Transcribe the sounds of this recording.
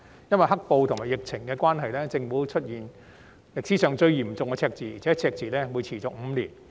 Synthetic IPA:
jɐ˥nwɐ˨jɦɐ˥k̚po˧wt̪ʰʊ˨˩ŋmaː˨˩jɪ˨˩k̚t͡sʰɪ˨˩ŋkɛː˧kwaː˥nɦɐ˨jlɛː˥t͡sɪ˧ŋfuː˨˥t͡ʃʰɵ˥t̚jiː˨n | lɪ˨k̚siː˨˥sœː˨˧ŋt͡sɵ˧ɥjiː˨˩mt͡sʊ˨ŋkɛː˧t͡sʰɛː˧k̚t͡siː˨˩i˨˩t͡sʰɛː˨˥t͡sʰɛː˧k̚t͡siː˨˩lɛː˥wuː˨˧jt͡sʰiː˨˩t͡sʊ˨k̚m̩˨˧liː˨˩n

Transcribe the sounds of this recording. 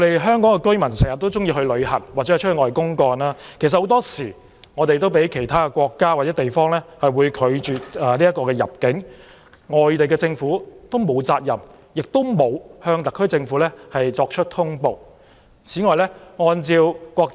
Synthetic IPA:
ŋɔ˨˧ɾe˨jɦœː˥ŋkɔ˨˥ŋkɛ˧kɵ˥ɥmɐ˨˩nsɛː˨˩ŋjɐ˨t̪̚ːo˥wt͡sʊ˥ŋjiː˧ɦɵ˧ɥlɵ˨˧ɥhɐ̰˨˩nwaː˨t͡sɛ˦˥˨t͡ʃʰŋɔː˨˩jkʊ˥ŋkɔː˧naː˥kʰe˨˩s̬ɐ˨ho˨˥t̪ɔː˥siː˨˩ | ŋɔː˨˧t̪e˨jt̪o˥wpe˨˥jkʰe˨˩jt̪ʰaː˥kɛ˧kʷɔː˧kːaː˥waː˨t̚t͡sɛː˨˥t̪e˨jfɔː˥ŋlɛː˥hɐ˨jwuː˨˧jkʰɵ˨˧ɥt͡ʃyː˨t̚ɐː˨˩liː˥jɐ˥tkːɔː˧kɛː˧jɐ˨p̚kɪ˨˥ŋ | ŋɔː˨jt̪e˨jkɛː˧t͡sɪ˧ŋfuː˨˥t̪o˥wmo˨˧wt͡saː˧k̚jɐ̰˨˩m | jɪ˨k̚t̪o˥wmo˨˧whœː˧ŋt̪ɐ˨kʰːɵ˥ɥt͡sɪ˧ŋfu˨˥lɛː˥hɐ˨jt͡sɔː˧k̚t͡ʃʰɵ˥t̚t̪ʰʊ˥ŋpo˨w | t͡sʰiː˨˥ŋɔː˨jlɛː˥ŋɔː˧nt͡siː˧wkwɔː˧k̚

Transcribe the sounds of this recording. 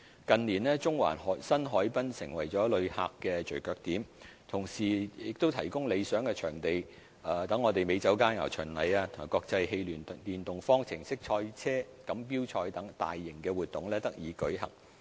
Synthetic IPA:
kɐ˨nliː˨˩nlɛː˥t͡ʃʊ˥ŋwa̰ː˨˩nhɔ˨˥sɐ˥nɦɔː˨˥jpɐ˥nsɪ˨˩ŋwɐ˨˩jt͡ʃɔː˨˥lɵ˨˧ɥha̰ː˧kːɛː˧t͡ʃɵ˨˩ɥkœː˧k̚t̪iː˨˥m | t̪ʰʊ˨˩ŋsiː˨jɪ˨k̚t̪o˥wt̪ʰɐ˨˩jkʊ˥ŋle˨˧jsœː˨˥ŋkɛː˧t͡ʃʰœː˨˩ŋt̪e˨j | aː˨t̪ɐ˨˥ŋːɔː˨˧t̪e˨jme˨˧jt͡sɐ˨˥wkaː˥nŋa̰˨˩wt͡ʃʰœ˨˩nlɐ˨˧jaː˧t̪ʰʊ˨˩kɔː˧k̚t͡sɐ˧jhe˧jlyː˨˩n˨t̪iː˨nt̪ʊ˨ŋfɔː˥ŋt͡sʰɪ˨˩ŋsɪ˥k̚t͡ʃʰɔː˧jt͡sʰɛː˥kɐ˨˧˥mp̬iː˥wt͡ʃʰɔː˧jt̪ɐ˨˥ŋt̪a̰ː˨jːɪ˨˩ŋkɛː˧wuː˨t̪̚ːʊ˨ŋlɛː˥t̪ɐ˥k̚jiː˨˧˥kɵ˨˥ɥɦɐ̰˨˩ŋ

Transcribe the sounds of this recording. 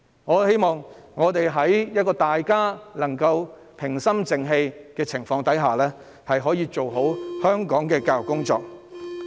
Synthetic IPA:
ŋɔː˨˧he˥jmɔː˨ŋŋɔː˨˧t̪e˨jɦɐ˨˥jjɐ˥t̚kɔː˧t̪aː˨jkaː˥lɐ˨˩ŋkɐ˧w | pʰɪ˨˩ŋsɐ˥mt͡sɪ˨˧ŋɦe˧jkɛː˧t͡sʰɪ˨˩ŋfɔː˧ŋt̪ɐ˨˥jɦaː˨lɛː˥ | hɐ˨jɦɔː˨˥jiː˧t͡ʃo˨wɦo˨˥whœː˥ŋkɔː˨˥ŋkɛː˧kaː˧wkʊ˥ŋt͡ʃɔ̰ː˧k̚

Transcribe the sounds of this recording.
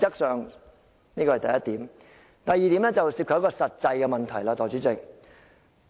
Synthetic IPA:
t͡sɐ˥k̚sœː˨ŋ | niː˥kɔ˧hɐ˨˩jt̪ɐ˨jɐ˥t̚t̪iː˨˥m | t̪ɐ˨˩jːiː˨t̪i˨˥mlɛː˥t͡sɐ˨wsiː˧p̚kʰːjkɔː˧sɐ˨t̚t͡sɐ˧jkɛ˧mɐ˨nt̪ʰɐ˨˩jlaː˧t̪ɔː˨˩jt͡ʃyː˨˥t͡sɪ˨k̚

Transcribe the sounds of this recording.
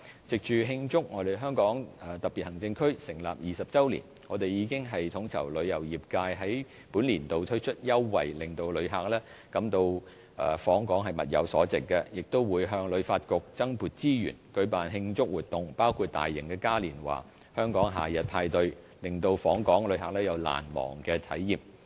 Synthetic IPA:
t͡sɪ˨k̚t͡ʃyː˨ɦɪ˧ŋt͡sʊ˥k̚ŋɔː˨˧t̪e˨jɦœː˥ŋkɔː˨˥ŋɐː˨t̪ɐ˨k̚piː˨t̚hɐ˨˩ŋt͡sɪ˧ŋkʰɵ˥ɥsɪ˨˩ŋla̰ː˨p̚jiː˨sɐ˨p̚t͡sɐ˥wlḭ˨˩n | ŋɔː˨˧t̪e˨jjiː˨˧kɪ˥ŋɦɐ˨jt̪ʰʊ˨˥ŋt͡sʰɐ̰˨˩wlɵ˨˧ɥjɐ˨˩wjiː˨p̚kaː˧jɦɐ˨˥j | puː˨˥nliː˨˩nt̪o˨wt̪ʰɵ˥ɥt͡ʃʰɵ˥t̚jɐ˥wːɐ̰˨jlɪ˨ŋt̪o˨˧wlɵ˨˧˥ɥɦaː˨k̚lɛː˥ | kɐ˨˥mt̪o˧w | ɐː˨˩fɔː˨˥ŋkɔː˨˥ŋɦɐ˨jmɐ˨t̚jɐ̰˨˧wsɔ̰ː˨˥t͡sɪ˨kːɛ˧jɪ˨k̚t̪o˥wwuː˨˧jɦœː˧ŋlɵ˨˧ɥfaː˧t̚kʊ˨k̚t͡sɐ˥ŋpuː˨t̚t͡siː˥jy̰ː˨˩nkɵ˨˧ɥpaː˨nɦɪ˧ŋt͡sʊ˥k̚wuː˨˩t̚t̪ʊ˨ŋpaː˥wkʰuː˧t̚t̪a̰ː˨jːɪ̰˨˩ŋkɛː˧kaː˥liː˨˩nwa̰ː˨˩ | hœː˥ŋkɔː˨˥ŋɦa̰ː˨˩jɐ˨t̚pʰaː˧jt̪ɵ˧ɥ | lɪ˨ŋt̪o˧wfɔː˨˥ŋkɔː˨˥ŋlɵ˨˧ɥɦa˨k̚lɛː˥jɐ˨˧wla̰ː˨˩nmɔ̰ː˨˩ŋkɛː˧t̪ʰɐ̰˨˥jːiː˨m

